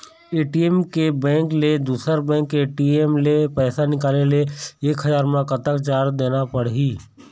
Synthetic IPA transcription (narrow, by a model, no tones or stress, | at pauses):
eːʈiemkebɛ̃ːŋkled̪uːsəɾbɛ̃ːŋkeːʈiemlepɛːsanɪkaːleleeːkɦəzaːɾmãkət̪əkt͡ʃaːɾd̪eːnapəɽɦiː